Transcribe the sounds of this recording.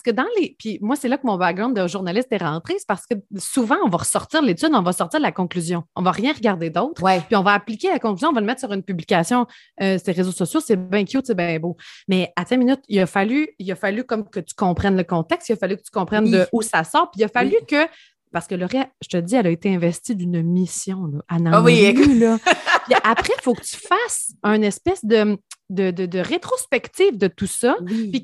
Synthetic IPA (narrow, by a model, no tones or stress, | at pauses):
paʁsə̥kəd̪ɑ̃lepʰimwasɛlakəmɔ̃bakɡ̚ʁãnəʒuʁnalɪst̪ɛʁɑ̃t̪χespaʁsə̥kəsuvɑ̃ɔ̃vaʁəsɔʁt̪t͡siːʁəlet͡s̪yd̪ɔ̃vʌsɔʁt̪iːʁd̪lakɔ̃klyzjɔ̃ɔ̃vaʁjɛ̃ʁəɡaʁd̪ed̪ɔʊt̪χwɛpiɔ̃vaaplikʲelakɔ̃klyzjɔ̃ɔ̃vɔləmɛt̪χsyʁynpyblikʲasjɔ̃ | øseʁezosɔsjosɛbɛ̃kʲjutsɛbɛ̃bomɛat̪ɛ̃minʏt̪ijɐfalyijafalykɔmkət̪y̥kɔ̃pχɛnləkɔ̃t̪ɛkst̪ijafalykət̪y̥kɔ̃pχɛnd̪əʔusasɑːʁpijafalykʲə | paʁsə̥kəlɔʁɛʒ̥ət̪ədd͡ziɛlaet̪eɛ̃vɛst̪id̪ynmisjɔ̃lɔʔanãwiylɔpiʔapχɛfokət̪y̥fas | œ̃nɛspɛsd̪əd̪əd̪əd̪əʁet̪χospɛkt̪ifd̪ət̪usʌpi